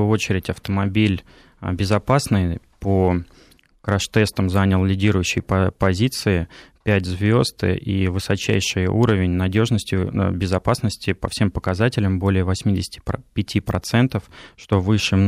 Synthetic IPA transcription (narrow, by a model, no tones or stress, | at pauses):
ʊo̞t͡ɕɪɾʲɪtʲɐft̪əmɐbʲilʲ | bʲɪzɐpasnɨj | po | kɾɐʂt̪ɛst̪əmzanʲəlˠlʲɪdʲiɾʊjʉɕːɪjpɐpɐzʲit̪sɨɪpʲætʲzvʲo̞zt̪ɨ̰ʔḭvɨsɐt͡ɕæ̰jʂɨjə̰ʔuɾəvʲɪnʲnɐdʲo̞ʐnəsʲtʲɪbʲɪzɐpasnəsʲtʲɪpəfsʲe̞mpəkɐzatʲɪlʲɪmbo̞lʲɪjəvɐsʲmʲidʲɪsʲɪ̥tʲɪ̥pʲɪtʲipɾɐt̪sɛnt̪əfʂt̪o̞vɨʂɨ